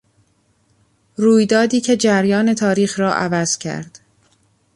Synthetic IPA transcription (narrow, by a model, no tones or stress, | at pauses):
ruːjd̪ɒːd̪iːcʰe̞d͡ʒæɾjɒːne̞t̪ʰɒːɾiːxɾɒːʔævæz̥cʰæ̰ɾd̪̥